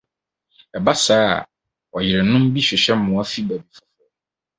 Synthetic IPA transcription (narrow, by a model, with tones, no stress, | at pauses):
ɛ˨ba˦saː˦˨ | ɔ˨jɪ˨ɾɛ˨nʊ̃˦m˦bi˦ɕᶣɪ˨ɕɛ̃˦m̩˦mʊ̃˨a˦fi˦bæ˨bi˨fɔ˦fʊ˦ɔ˦